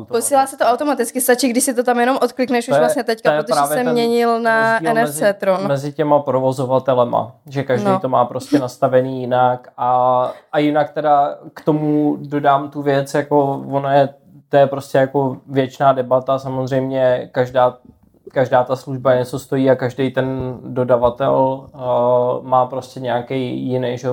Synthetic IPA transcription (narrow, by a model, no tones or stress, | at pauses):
t̪posiːlaːsɛt̪oawt̪o̞mat̪ɪt͡skɪst̪at͡ʃiːɡdɪʃsɪt̪ot̪amjɛno̞mʔot̪klɪknɛʃuʒjvlasɲɛt̪ɛckajɛɾot̪oɾaɛːvjɛsɛmɲɛɲɪlnaɛnɛfzt͡sɛt̪ɾonmɛzɪcɛmapɾovo̞zo̞vat̪ɛlɛma̰ʒɛkaʒdniːt̪o̞maːpɾo̞scɛnast̪avɛniːjɪnakʔaʔajɪnak̚t̪ɛdakt̪o̞mudo̞daːmt̪uvjɛt͡sjako̞vonojɛ | t̪ojɛpɾo̞scɛjako̞vjɛt͡ʃnaːdɛbat̪asamozr̝ɛjmɲɛkaʒdaː | kaʒdaːt̪asluʒbaɛt͡sost̪o̞jiːakaʒdejt̪ɛndo̞davat̪ɛl | maːpɾo̞scɛɲɛakɛjjɪnɛjʒɛo